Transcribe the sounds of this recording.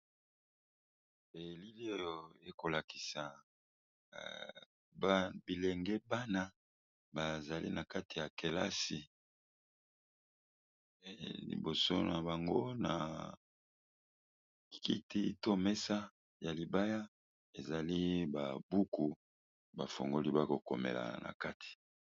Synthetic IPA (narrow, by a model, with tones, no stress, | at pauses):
e˨li˦li˦o˦jo˨e˨ko˨la˨ki̥˨sa˨ | bbi˨le˨ŋɡɛ˦ba˦na˦ | ba˨za˨lʔḭ˦na˨ka˦ti˨ja˨ke˨la̰˦si˨ | lḭ˨bo˨so̰˦na˨ba˨ŋɡo˦na̰˨ | ki˦ti˦to˦mɛ˦sa˦ | ja˨li˨ba˦ja˦ | e˨za˨li˦ba˨bu˦ku˨ | ba˨fo̰˨ŋɡo˦li˦ba˦ko˨ko˨mḛ˨la̰˨nʔa̰˨ka˦tʰi̥˨